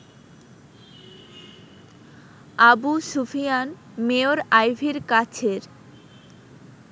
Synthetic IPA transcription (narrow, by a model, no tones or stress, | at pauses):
abusufijan | meoɾajbʱiɾkat͡ɕʰeɾ